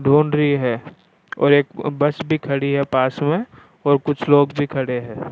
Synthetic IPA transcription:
ɖʱoːnɾiɦɛː | ɔ̰ːɾeːkbɐsbʱikʰɐɽiɦɛpaːsmẽ | ɔːɾkʊt͡ʃʰloːɡbʱikʰɐɽeɦɛ̃ː

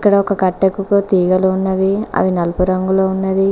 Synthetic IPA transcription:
kːɐɽɐokɐkɐʈːekːukut̪iːɡɐluːnːɐʋiɐ̰ʋinɐlpuɾɐŋɡuloːunːɐd̪i

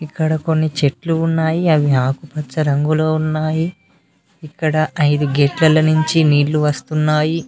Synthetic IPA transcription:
ikːɐɽɐko̞nːit͡ʃe̞ʈluːnːaːjiɐʋiɦaːkupɐt͡ʃːɐɾɐŋɡulo̞ːunːaːji | ikːɐɽɐʔɐjd̪uɡeʈlɐlɐnuɲt͡ʃiniːɽluʋɐst̪unːaːji

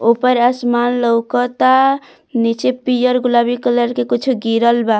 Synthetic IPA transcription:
opəɾasmanləwkɔt̪a | nit͡ʃepijəɾɡulabikələɾkekit͡ʃʰuɡiɾəlba

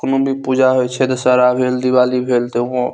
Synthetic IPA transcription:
knũbʱipuːd͡ʒaɦoet͡ʃʰed̪saɾabʱeːld̪iʋaːlibʱeːlt̪eõ

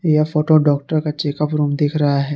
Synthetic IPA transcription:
jafoːʈoɖɔːk̚ʈəɾkat͡ʃeːkəpɾuːmd̪eːkʰɾɐɦaɦɛː

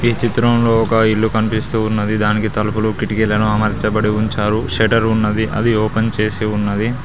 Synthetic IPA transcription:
iːt͡ʃit̪ɾɐmlo̞ːɔkɐilːukɐnipist̪uːnːɐd̪id̪aːnikit̪ɐlupulukiʈikɛlːɐɽɐmɐmɐɾit͡ʃɐbɐɽiuɲt͡ʃaːɾuʃeʈɐɾunːɐd̪iʔɐ̰d̪ioːpent͡ʃe̞ːsiunːɐd̪i

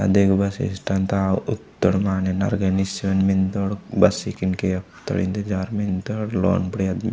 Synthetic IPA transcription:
ɐ̰d̪ʱikbɐsḭsʈɐnt̪aut̪ːəɽmaːnena̰ɾɡɐnisʋɐnmint̪oɽbɐsikinkeɐpt̪ɐ̰ɽḭnt̪ed͡ʒaːɾmint̪oɽlo̰ːnpɽiɐd̪m

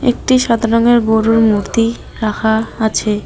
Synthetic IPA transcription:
ḛk̚ʈiʃad̪ʱaɾoŋeɾboɾuɾmuɾt̪i | ɾakʰaat͡ɕʰe

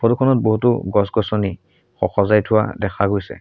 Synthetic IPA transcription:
pʰɔdukʰɔnɔt̚boɦutuɡɔsɡɔsɔni | xɔxɔzajtʰʊwa̰dɛkʰaɡojsɛ̰

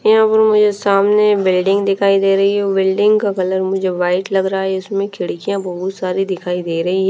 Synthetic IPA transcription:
jɐɦãpɐɾmʊd͡ʒʱesaːmnebɪlɖɪ̃ŋɡd̪ɪkʰaːid̪eːɾɐɦiɦɛbɪlɖɪ̃ŋɡkakɐləɾmʊd͡ʒʱeʋaːɪʈlɐɡɾɦaɦɛɪsmẽkʰɪɽkijãbɐɦʊt̪saːɾid̪ɪkʰaːid̪eːɾɐɦiɦɛ

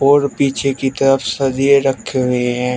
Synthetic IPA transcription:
oːɾpiːt͡ʃʰekit̪ɐɾəfsɐd̪ieɾəkʰːeɦʊeɦɛ̃ː

